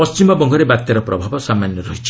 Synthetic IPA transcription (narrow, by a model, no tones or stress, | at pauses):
ɔst͡ʃimɔbɔŋɡʱɔɾebat̪jaɾɔpɾɔbʱabɔsamanjɔɾɔɦit͡ʃʰi̥